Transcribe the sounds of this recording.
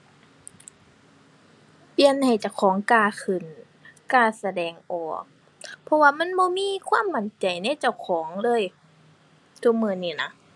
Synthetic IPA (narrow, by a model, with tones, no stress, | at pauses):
pi˧˩˨ənha˨˩jt͡ɕa˧˩wkʰɔː˨˦ŋkaː˧˩kʰɯ˧˩˨n | kaː˧˩sa˧dɛː˨˩ŋʔɔː˨˩k̚ | pʰɔ˧waː˧ma˧˥˨nbɔː˧miː˧˥˨kʰwaː˧˥˨mːa˧˩nt͡ɕa˨˩jna˧˥˨t͡ɕa˧˩˨wkʰɔː˩˦ŋlɤː˧˥˨j | t̪ʰu˧˥k̚mɯː˧˩˨niː˧˩na˧˥